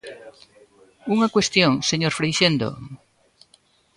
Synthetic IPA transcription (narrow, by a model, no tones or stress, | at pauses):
uŋɐkwest̪joŋseɲoɾfɾejʃend̪o̰